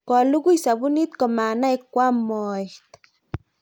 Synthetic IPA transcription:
ka˨lu˦ɡu˦jsa˨bu˦ni˦t̪ko˨ma˨na˦i˦kʷa˦mo˨t̪

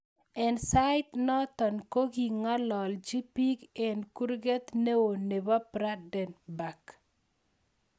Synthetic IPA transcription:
ɛ˨nsa˦ɪ˦t̪nɔ˦t̪ɔ˨nko˦ɡi˨ŋɔ˦lɔ˨ld͡ʒi˦pi˦ɡe˨nku˦ɾɡe˦t̪ne˦wo˨ne˨ba˦pɾa˦dɛ˨nba˨k

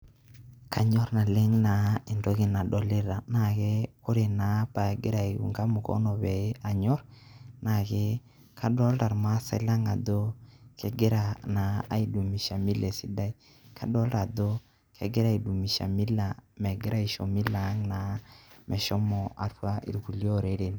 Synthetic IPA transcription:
ka˨ɲɔ˦ɾna˨le˦ŋna˨i˨ndo˦ki˦na˨dɔ˨lɪ˦ɾa˨na˨ke˦kʊ˦ɾe˨na˨˦pa˨ɡɪ˦ɾa˨i˨ɡṵ˨ŋɡa˦mu˨kɔ̰˦nɔ˨bɛ˨˦a˨ɲɔ˦ɾna˨ke˦ | ka˦dɔ˦lda˨ɾma˦sa̰˨˦la˦ŋa˨do˦ke˨ɡe˦ɾa˨naː˨i˨du˨mi˨ʃa˨mi˦le˨si˦da˦i˦ | kʰa˦dɔ˦lɾa˨do˦ | ke˨ɡe˦ɾa˦i˨du˨mi˨ʃa̰˨mi˦la˨mɛ˨ɡɪ˦ɾa˦i˨ʃɔ̰˨mi˦la˨˦ŋna˨˦mɛ˨ʃɔ˦mɔ˨ʔa˨twa˦ʔḭ˨ɾku˨ljo˦˨ɾe˨˦ɾe˨n

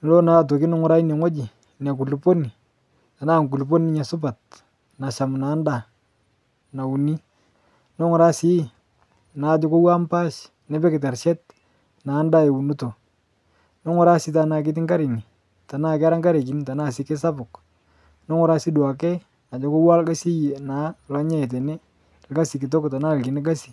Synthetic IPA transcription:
lo˦na˨˦˨t̬o˨ki˦nɔ˦ŋʊ˦ɾa˦i˦nɛ˨ŋo˦d͡ʒi˨ | na˨k̬u˨lpo˦ni˨ | ta˨na˦˨ŋku˨lp̬o˦ni˦ɲa˨sʊ˦pa˨t̚ | na˨ʃa˨mna˨˦nda˨ | na˨u˨ni˦ | no˦ŋʊ˨ɾa˦si˦˨ | na˨d͡ʒɔ˦ko˦wa˦mpa˦ʃ | nɛ˦bɛ˦kɪ˨t̬a˨rʃɛ˦t̚ | na˨˦nda˦e˨u˨nu˦to˨ | no˦ŋɔ˦ɾa˦si˦ta˨na˨k̬ɪ˦t̬ɪ˦ŋɡa˦ɾi˨ni˨ | ta˨na˦˨kɛ˦a˦ɾa˦ŋɡa˦ɾe˨ki˨ni˦ta˨na˦˨sɪ˦ke˦sa˦bʊ˨k | no˦ŋʊ˨ɾa˦si˦dwa˨kɛ˦ | na˨d͡ʒɔ˨kʊ˦wa˦lka˦si˦je˨na˨˦lɔ˦ɲɛ˦ɛ˨t̬ɛ˨nɛ˦ | lɡa˦si˨kɪ˨t̬o˦kta˨na˦˨lki˨nɪ˦ka˦si̥˨

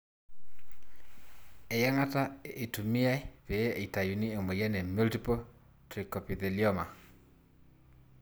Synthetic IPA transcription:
e˨ja˦ŋa˦ta˦e˨tu˨mi˦a˦i˦pe˨˦e˨i˨ta˨ju˨ni˦o˨me˨jɛ˦nɛ˨mu˦lti˦pɔ˦ | tɾi˨kɔ˨pi˨ðe˨ljɔ˦ma˨

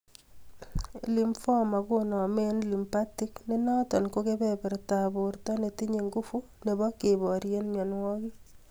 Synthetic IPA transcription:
li˨mfɔ˦ma˨kʊ˦nɔ˨me˦nli˨mpa˦ti˦kne˦nɔ˦tɔ˨nko˦ke˦bɛ˨bɛ˨ɾta˨bʊ˨ɾtɔ˦ne˨ti˦ɲe˨ŋɡu˦fu˦ | ne˨bɔ˦ke˨bɔ˨ɾje˦nmjɔ˨nwɔ˦kɪ˦

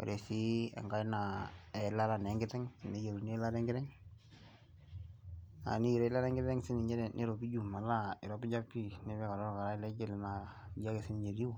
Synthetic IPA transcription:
o̰˨ɾʔe˨si˦ɛ̰˨ŋɡa˦na˨ɛ˨la˦ɾa˨nɛ˨˦ŋɡɪ˦tɛ˦ŋ˨ne˦je˨ɾu˨ne˦la˦ɾɛ˦ŋɡɪ˦ɾɛ˦ŋ | a̰˨ni˦i˨ɾe˦la˦ɾɛ˦ŋɡɪ˦tɛ˦ŋsɪ˦nɪ˨ɲɛ˦ɾɛ˨nʔe˦ɾo˨pi˦d͡ʒu˨ma˨ɾa˨ɪ˨ɾɔ˦bɪ˦d͡ʒa˦pːi˦nɪ˦bɛ˦ka˨ɾɔ˦ɾka˨ɾa˦ɪ˦lɛ˦d͡ʒɛ˦˨lna˨ | ja˦ke˨sɪ˦n˨ɲe˨ɾi˦

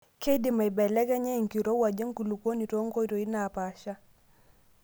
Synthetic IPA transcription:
kɛ˦i˦di˨ma˨i˨bɛ˨lɛ˦kɛ˦ɲɛ˦˨ŋ̩˨ki˨ɾɔ˦wa˨d͡ʒɛ˦ŋ˦ku˨lu˨kɔ˦ni˨tɔ˦ŋ˦ɡɔ˦i˦tɔ˨i˦na˨pa˨ʃa˦

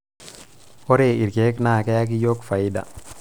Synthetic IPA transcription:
hɔ˦ɾe˨i˨ɾke˦knaː˦˨ke˦ja˦k̬i˦jo˦kfa˨i˦da̰˨

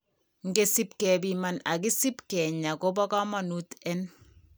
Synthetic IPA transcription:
ŋ˦ɡe˦si˦pkɛ˨bi˦ma˨na̰˨ki˦si˦pkɛ˨ɲa˨ko˦bɔ˦ka˦ma˦nu˦tɛ˦n

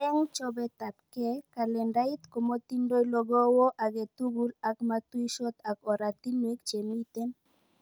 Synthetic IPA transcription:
ɛ˦ŋt͡ʃɔ˦bɛ˦t̪a˨tkɛ˦ka˨lɛ˨nda˦i˦t̪ko˨mo˦t̪i˦ndo˦i˦lɔ˦ɡɔ˦wɔ˦ʔa˨ɡe˨t̪u˦ɡu˦la˨kmat̪wi˦ʃɔ˦t̪a˨kɔ˨ɾa˨t̪i˦nwe˦kt͡ʃe˨mi˦t̪e˦n

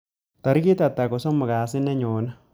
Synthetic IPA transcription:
t̪a˨ɾi˦ki˦t̪a˨t̪ːa˨kɔ˨so˦mːʊ˨kaː˨sɪ˦nːe˦ɲoː˨na˦

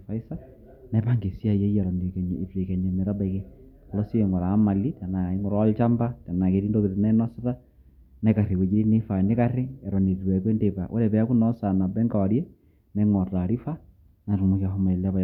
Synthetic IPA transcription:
fa˦i˦sa˦ | na˨˦pa˦ŋɡe˨si˦a˦je˦jɛ˨ɾɔ˨ne˨kɛ˨ɲ˨e˨fiɾe˨kɛ˨ɲe˨me˨ɾa˦ba˦ike | a˨lɔ˦si˦e˨ŋɔ˨ɾa˨˦ma˨li˦ta˨na˨e˦ŋo˨ɾɔ˦lt͡ʃa˦mba˦ta˨na˨ke˨ɾi˦ndo˦ke˨te˨na˦nɔ˦sata˦ | na˨ka˨ɾe˨we˨d͡ʒi˦ɾe˦ne˦fa˨ne˦ka˦ɾe˦ɛ˨ɾɔ˨ne˨ðiɾwɛ˨kwe˦nde˨βa˨ʔo̰˦ɾɛ˨βɛ˨a˦ku˦nɔ˦sa˨na˨bɛ˦ŋɡa˨wa˨ɾjɛ˦ | na˨ŋɔ˨ta˨ɾi˦fa˦ | na˨ɾu˨mu˦kia˨ɦo˦ma˨e˨la˦βa˨

